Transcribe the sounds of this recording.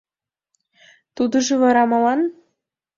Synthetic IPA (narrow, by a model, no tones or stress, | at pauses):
t̪ud̪ɤ̆ʒɤ̆vɤ̆ɾɑmɑlˠɑn